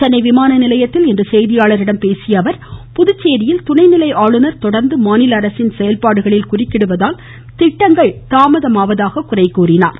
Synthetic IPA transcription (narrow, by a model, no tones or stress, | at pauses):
t̪ɐnːɐɪʋɪmaːnɐnɪlɐjɐt̪ːɪlɛndrɯsɛjðɪjaːɭɐɾɪɽɐmpeːsɪjɐʋɐɾpʊðʊt͡ʃːeːðɪjɪlt̪ʊnɐɪnɪlɐɪʔaːɭɯnɐɾt̪ɔɽɐɾnd̪ɯmaːnɪlɐɾɐsɪnsɛjɐlpaːɽɯɣɐɭɪlkʊrɪkːɪɽɯʋɐðaːl | t̪ɪʈːɐŋɡɐɭt̪aːmɐðɐmaːʋɐðaːɣɐkʊrɐɪkːuːrɪna̰ːɾ